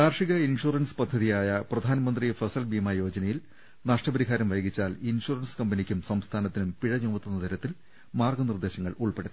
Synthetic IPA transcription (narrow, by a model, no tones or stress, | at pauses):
t̪aːrʂiɣɐinʂuːrɐnspɐd̪ʱːɐðijaːjɐprɐd̪ʱaːnɐmɐnd̪rifɐsɐlbimajo̞ːd͡ʑɐnɐjil | naːʂʈrɐbɐɾiɦaːɾɐmʋɐjɐɣit͡ɕːaːlinʂuːrɐnskɐmbɐnikʲːumsɐmst̪ʰaːnɐt̪ːinumpiɻɐɲuːmɐt̪ːonːɐt̪ɐɾɐt̪ːil | maːrɡɐnird̪e̞ːɕɐŋːɐɭuɭpeɽut̪ː